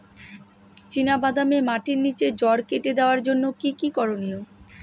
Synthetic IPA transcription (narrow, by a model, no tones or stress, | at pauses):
t͡ɕinabad̪amemaʈiɾnit͡ɕed͡ʑɔɽkeʈed̪eoaɾd͡ʑonːokikikɔɾonio